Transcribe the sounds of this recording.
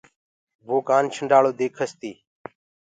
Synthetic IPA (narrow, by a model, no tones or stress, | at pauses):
ʋoːkaːnt͡ʃʰəɳɖaːɭoːd̪eːkʰəst̪iː